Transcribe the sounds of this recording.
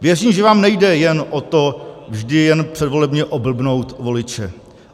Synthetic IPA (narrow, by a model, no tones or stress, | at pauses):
vjɛriːmʒɛvaːmnɛjdɛjɛnʔot̪o̞vʒdɪjɛnpr̥ɛdvo̞lɛbɲɛʔobl̩bno̞wt̪vo̞lɪt͡ʃɛ